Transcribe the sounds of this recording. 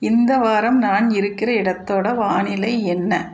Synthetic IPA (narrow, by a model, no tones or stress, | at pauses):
ɪnd̪ɐʋaːɾɐmnaːnɪɾɯkːɪrɐɪɽɐt̪ːoːɽɐʋaːnɪlɐɪɛnːɐ